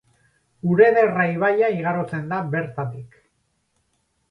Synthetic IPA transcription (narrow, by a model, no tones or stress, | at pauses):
uɾe̞ðe̞rajβaʎaiɣ̞aɾot͡se̞nd̪aβe̞ɾt̪at̪ik